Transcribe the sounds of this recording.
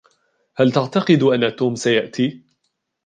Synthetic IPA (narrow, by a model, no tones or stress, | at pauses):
halt̪aʕt̪ɑqɨd̪ʔanːat̪uːmsajaʔt̪iː